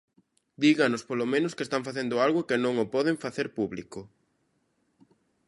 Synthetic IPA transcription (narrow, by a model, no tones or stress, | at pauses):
d̪iɣanʊspolomẽnʊskeːst̪aɱfaθend̪ʊalɣʊkɪnõŋʊpɔðeɱfaθeɾpuβlikʊ